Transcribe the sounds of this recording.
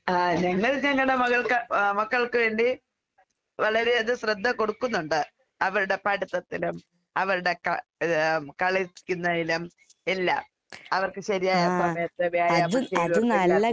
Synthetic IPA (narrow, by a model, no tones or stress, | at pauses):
aːɲɐŋːɐɭɲɐŋːɐɭɽe̞mɐɣɐɭkɐmɐkːɐɭkɨʋe̞ːɳɖi | ʋɐɭɐɾe̞ɐðɨɕrɐd̪ʱːɐko̞ɽukːunːuɳɖɨ | ɐʋɐɾuɽe̞paʈit̪ːɐt̪ːilum | ɐʋɐɾuɽe̞kɐ | kɐɭikʲːunːɐðilum | elːa̰ːm | ɐʋɐrkɨɕɐɾijaːjasɐmɐjɐt̪ːɨʋjaːjaðeɐnɐːɐ